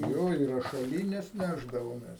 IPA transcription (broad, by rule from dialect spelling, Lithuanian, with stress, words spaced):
ˈjoː ɪ rɐʃɐˈlʲiːnʲɛs ˈnʲæːʒdɐʋoːmʲɛs